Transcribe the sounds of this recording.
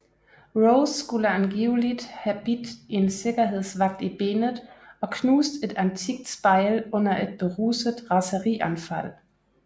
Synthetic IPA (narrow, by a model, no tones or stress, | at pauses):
ʁoʊsɡ̥uləænɡ̥iːʊlid̥hæb̥id̥e̝nse̝ɡ̥ɐɦe̝ð̞̰ˠsʋɑ̈ɡ̥̚d̥ib̥e̝ːnð̩ˠɒ̽kʰnuːsd̥e̝d̥ænt͡sʰiɡ̥̚d̥sb̥ɑ̈ɪlɔ̽n̰ɐʔe̝d̥̚b̥e̝ʁusəðˠʁɑ̈səʁiʔænfæl̰